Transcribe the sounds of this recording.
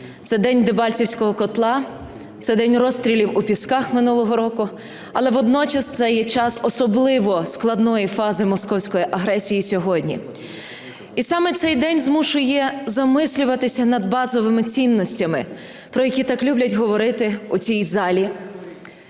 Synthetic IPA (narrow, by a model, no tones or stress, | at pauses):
t̪sɛd̪ɛnʲd̪ebɑlʲt͡sʲiwsʲkɔɦɔkɔt̪lˠɑ | t̪sɛd̪ɛnʲrɔst̪ɾʲilʲiwupʲiskɑxmɪnulˠɔɦɔɾɔkʊ | ɐlˠɛʋɔd̪nɔt͡ʃɐst̪sɛjɛt͡ʃɑsɔsɔblˠɪʋɔsklˠɐd̪nɔjifɑzɪmɔskɔwsʲkɔjiʔɐɦɾɛsʲijisʲɔɦɔdʲnʲḭ | isɑmɛt̪sɛjd̪ɛnʲzmuʃʊjɛzɐmɪsʲlʲʊʋɐt̪ɪsʲɐnɐd̪bɑzɔʋɪmɪt͡sʲinːɔsʲtʲɐmɪ | pɾɔjɐkʲit̪ɑklʲublʲɐtʲɦɔʋɔɾɪt̪ɪut͡sʲijzɑlʲi